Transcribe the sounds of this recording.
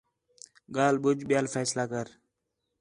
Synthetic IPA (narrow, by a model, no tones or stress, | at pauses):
ɡaːlbʊd͡ʒɓjaːlfɛːslaːkəɾ